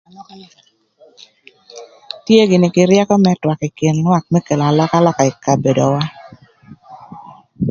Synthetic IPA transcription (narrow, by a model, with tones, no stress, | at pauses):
tje˦ɡɪ˨nɪ˨kɪ˨ɾjɛ˦kɔ˦mɛ˦twa˨kɪ˨kɪ˨nlwa˦k̚mɛ˦ke˨la˨lɔ˦ka˦lɔ˦ka˨ɪ˨ka˨be˨do˨wa˦